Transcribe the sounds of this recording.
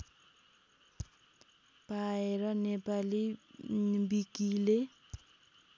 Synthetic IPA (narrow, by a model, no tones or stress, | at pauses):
paɪɾɔnepali | mbikile